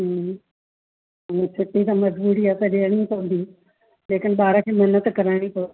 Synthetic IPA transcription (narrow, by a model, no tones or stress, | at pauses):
ʊnẽt͡ɕʰɪʈːit̪̬ɐmɐd͡ʑbuːɽiaːt̪ɐɗeəɽ̃ĩpɐʋ̃nd̪i | leːkɪn̆ɓaːɾakʰeːmɐnət̪kɐɾaɪɽ̃ipɐ